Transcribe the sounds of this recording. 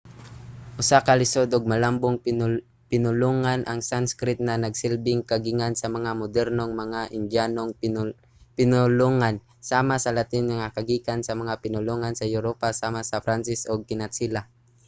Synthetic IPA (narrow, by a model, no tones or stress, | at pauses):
ʔʊsakalɪsod̪oɡ̚mɐlambʊŋ | pɪnʊloːŋanʔɐŋsanskɾɪt̪̚nɐnɐɡsɪlbɪŋkɐɡɪŋansɐmɐŋamʊd̪ɛɾnoŋmɐŋaʔɪnd͡ʒjaːnoŋ | pɪnʊloŋan | saːmasɐlat̪ɪŋnɐŋakɐɡiːkansɐmɐŋapɪnʊloŋansɐjʊɾopasaːmasɐfɾansɪsʔoɡ̚kɪnat̪sila